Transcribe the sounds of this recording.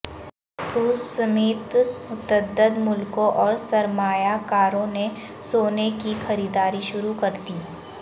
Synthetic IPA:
ɾuːsːɐmeːt̪ʊt̪əd̪ːəd̪mʊlkõʔɔːɾsɐɾmaːjakaːɾõne | soːnekixɐɾiːd̪aːɾiʃʊɾukɐɾt̪iː

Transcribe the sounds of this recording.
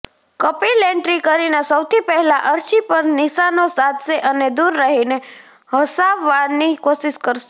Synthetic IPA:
kəpileɳʈɾikəɾinasəwt̪ʰipɛɦɛlaʔəɾʃipəɾnɪsanosad̪ʱʃeʔəned̪uɾːaɦine | ɦəsaʋːaɾnikoʃɪʃkəɾʃe

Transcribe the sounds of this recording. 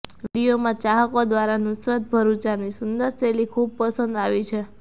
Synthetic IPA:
ʋiɽijomãt͡ʃaɦəkod̪ʋaɾanʊsɾət̪̚bʱəɾũt͡ʃanisʊnd̪əɾselikʰub̚pəsə̃nd̪aʋit͡ʃʰe

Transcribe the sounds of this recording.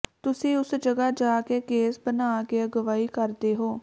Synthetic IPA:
t̪ʊsĩːʊsd͡ʒəɡaːd͡ʒaːkeːkeːsbənaːkeːəɡəʋaːiːkəɾd̪eːɦoː

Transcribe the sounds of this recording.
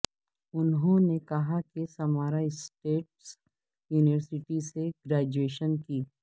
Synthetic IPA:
ʊnɦõnekɐɦakisɐmaːɾaɪsʈeːʈs | juːnɪʋəɾsɪʈiseɡɾaːd͡ʒueːʃənkiː

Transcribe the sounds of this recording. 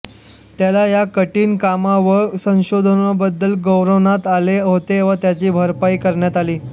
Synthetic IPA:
t̪jalajakəʈiːnkamaʋəsə̃w̃ɕod̪ʱənəbəd̪ːəlɡəwɾəʋnat̪aleɦot̪eʋət̪jat͡ɕiːbʱəɾpaiːkəɾɳjat̪aliː

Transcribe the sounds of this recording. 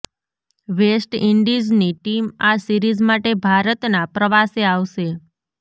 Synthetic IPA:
ʋesʈiɳɖid͡ʒniʈimasiɾizmaʈebʱaɾət̪napɾəʋaseaʋʃe

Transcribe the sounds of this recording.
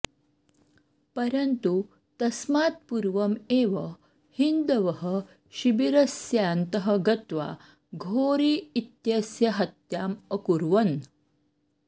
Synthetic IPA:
pɐɾənt̪u | t̪ɐsmaːt̪̚puɾʋɐmeːʋə | hind̪əʋəɦə | ɕibiɾɐsjaːnt̪əɦəɡɐt̪ʋa̰ | ɡʱoːɾiːit̪jɐsjɐɦɐt̪jaːməkuɾʋɐn

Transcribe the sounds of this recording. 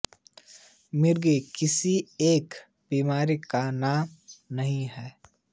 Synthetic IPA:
mɪɾɡekɪsieːk | b̥iːmaːɾikanaːmnɐɦĩɦɛː

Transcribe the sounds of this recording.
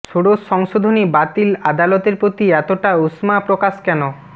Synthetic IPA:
ʃʰoɽoʃɔŋʃod̪ʱonibat̪ilad̪alot̪eɾpɾot̪iɛt̪oʈausmapɾokaʃkɛno

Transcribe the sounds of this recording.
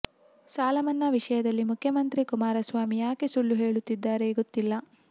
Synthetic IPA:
saːlɐmɐnːɐʋiʂɐjɐd̪ɐlːimukʰːjɐmɐnt̪ɾikumaːɾɐsʋaːmijaːkesulːuɦeːɭut̪ːid̪ːaːɾeːɡot̪ːilːɐ

